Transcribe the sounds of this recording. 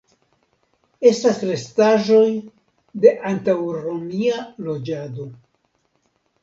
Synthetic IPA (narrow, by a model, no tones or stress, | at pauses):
e̞stasɾe̞staʒo̞j | de̞ʔantawɾomialo̞d͡ʒado̞